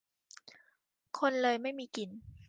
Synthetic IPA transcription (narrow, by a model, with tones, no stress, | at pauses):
kʰo˧nlɤː˧jma˥˩jmiː˧ki˧n